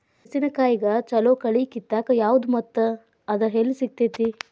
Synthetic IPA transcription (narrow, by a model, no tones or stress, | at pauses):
sinɐkaːjiɡɐt͡ʃɐloːkɐɭikit̪ːaːkɐjaːʋud̪umɐt̪ːɐ | ɐd̪ɐɦelːisik̚t̪eːt̪i